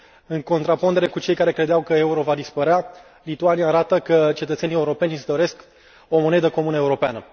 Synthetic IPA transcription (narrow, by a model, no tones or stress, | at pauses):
ɨŋko̞nt̪ɾapond̪e̞ɾe̞kut͡ʃe̞jkaɾe̞kɾed̪eawkəe̞uɾo̞vad̪ispəɾea | lit̪uaniaːɾat̪əkət͡ʃe̞t̪ət̪se̞nieuɾo̞pe̞nʲsd̪o̞ɾe̞sk | o̞mo̞ne̞d̪əko̞munəeuɾo̞peanə